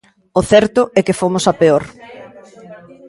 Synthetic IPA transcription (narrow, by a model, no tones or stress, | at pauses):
ʊθɛɾt̪ʊʔɛkɪfomʊsapeoɾ